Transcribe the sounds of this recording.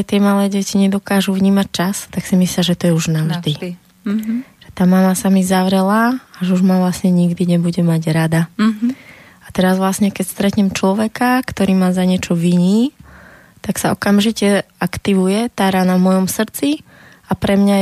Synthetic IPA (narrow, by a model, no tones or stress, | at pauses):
ɛt̪ɪɛmalɛːɟɛciɲɛd̪ɔkaːʒuvɲiːmac̚t͡ʃast̪aksimisliaʒɛt̪ɔjɛuʒnaʒd̪id̪ | ʒ̥ɛt̪aːmamasamizaʋɾɛlaaʒɛuʒmaʋlasɲɛɲiɡd̪iɲɛbuɟɛmaɟɾad̪a | at̪ɛɾazʋlasɲɛkɛcst̪ɾɛt̪ɲɛmt͡ʃlɔʋɛkakt̪ɔɾiːmaːzaɲɪɛt͡ʃɔʋiɲiː | t̪aksaɔkamʒicɛ | akt̪iʋujɛt̪aːɾanavmɔjɔmsr̩t͡si | apɾɛmɲa